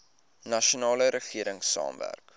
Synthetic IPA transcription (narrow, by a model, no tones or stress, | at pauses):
nɐʃunɑːləɾəχiəɾəŋsɑ̰ːmvæ̰rk